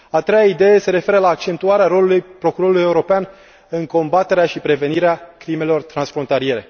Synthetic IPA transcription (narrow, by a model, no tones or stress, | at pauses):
at̪ɾe̞jaid̪e̞jese̞ɾe̞fe̞ɾəlaːk̚t͡ʃe̞nt̪uaɾeaɾo̞lulujpɾo̞kuɾo̞ɾulujeuɾo̞pean | ɨŋko̞mbat̪e̞ɾeaʃipɾe̞ve̞niɾeakɾime̞lo̞rt̪ɾansfɾo̞nt̪alije̞ɾe̞